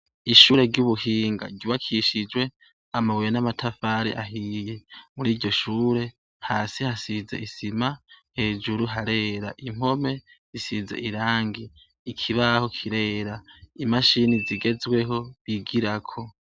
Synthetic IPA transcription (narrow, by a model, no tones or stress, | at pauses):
iʃuːɾe̞ɾɟuβuɦiːŋɡa̰ɟuβakʰiʃid͡ʒwe̞ | amawujenamatʰafaːɾḭʔaɦije̞muɾiːɾɟo̞ʃuːɾe̞ | haːsihasizḛisimahe̞ːd͡ʒuɾuɦaɾe̞ːɾaʔim̥o̞me̞ | zisizḛʔiɾaːŋɡiː | kʰiβaho̞kʰiɾe̞ːɾaimaʃiniziɡe̞zwe̞ho̞βiɡiɾakʰo̞